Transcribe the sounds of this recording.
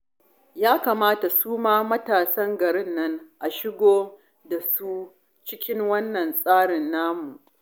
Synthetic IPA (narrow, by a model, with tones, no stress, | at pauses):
jaː˦kaː˨maː˦ta˨suː˦maː˦mɐ˦taː˨sɐ˦ŋɡɐ˨ɽɪ˦nːɐ˦ŋʔa˨ʃɪ˦ɡʷoː˦ | da˨su˦ | t͡ʃɪ˦kʲɪ˦ŋwɐ˦nːɐ˨nsʼaː˦ɽɪ˨nːaː˦mu˨ʔ